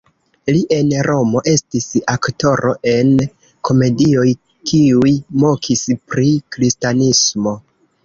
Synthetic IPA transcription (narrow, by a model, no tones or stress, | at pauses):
liʔe̞nɾo̞mo̞ʔe̞stisakto̞ɾʔo̞ʔe̞n | kʰo̞me̞dio̞j | kʰiujmo̞kʰispɾikɾistanismo̞